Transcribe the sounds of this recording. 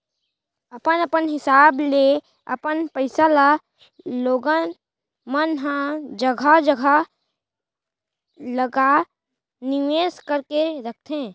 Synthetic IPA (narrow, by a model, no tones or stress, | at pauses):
əpənəpənɦɪsaːble | ə̰pənpəɪsala | loːɡən | mənɦə̃d͡ʒəɡʱad͡ʒəɡʱa | ləɡa | nɪʋeːskəɾkeɾək̚ʰt̪ʰẽː